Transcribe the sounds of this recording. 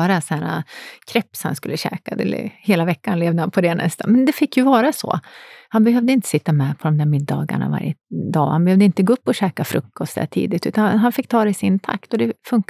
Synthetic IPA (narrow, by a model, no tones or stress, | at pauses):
ɾasæːɾa̰kʰɾɛpːsha̰nskɵlːəɕɛ̰ːkad̪ɛ̰l̰heːlavɛkːanleːvd̪əhanpʰɔd̪ɛnʔɛ̰st̪ʰa̰nmɛnd̪ɛfɪkːjɵvɑːɾasɔ̰ːhanbɛɦœvd̪əɪnt̪ə̥sɪt̪ːamɛpʰɔd̪ɔmd̪æːɾmɪd̪ːɑːɡa̰ɳa̰va̰ɾjəd̪ɑ̰ːhanbɛhœvd̪əɪnt̪əɡaːɵpːɔɕɛːkafɾɵkːɔst̪d̪æ̰ːʈʰḭːd̪ɪt̪ʉ̟ːt̪anɦanfɪkːt̪ʰɑːɾɛsɪnt̪ʰa̰kt̪ɔd̪ɛfɵŋk